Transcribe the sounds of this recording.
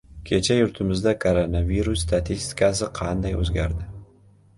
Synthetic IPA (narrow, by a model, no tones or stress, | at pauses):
kʲʰe̞t͡ʃʰajʊɾt̪ʰɪmɪzd̪akʰoɾonaviɾusːt̪ʰat̪ʰist̪ɪ̥kasɪqʰɑnd̪ajɵ̰zɡʲaɾd̪ɪ